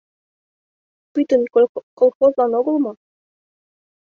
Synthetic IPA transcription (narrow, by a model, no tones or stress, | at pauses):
pyt̪ə̆nkolˠxozlɑnoɡɤ̆lˠmɑ